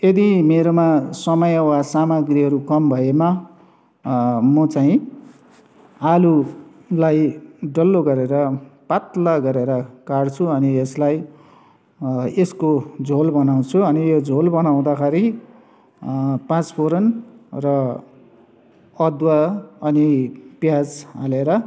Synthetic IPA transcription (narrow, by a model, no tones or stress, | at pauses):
jed̪imeɾomasʌmʌjwasamaɡriɦʌɾukʌmbʱʌema | mʌt͡saĩ | alu | lajɖʌlːoɡʌɾeɾʌpat̪laɡʌɾeɾʌkart͡sʰuʌnieslaj | eskod͡zʱolbʌnaw̃t͡sʰuʌnijod͡zʱolbʌnaw̃d̪akʰaɾi | pãt͡spʰoɾʌnrʌ | ʌd̪waʌnipjad͡zaleɾʌ